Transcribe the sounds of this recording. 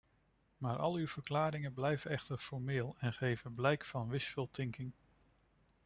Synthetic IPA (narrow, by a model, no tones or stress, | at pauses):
maːɹʔɑ̰lˠywv̥əɹklaːɾɪŋənblɛjvənɛχtəɹfɔɹmɪːlˠɛnχejvənblɛjkfɑnʋɪsfɪlˠtɪŋkɪŋ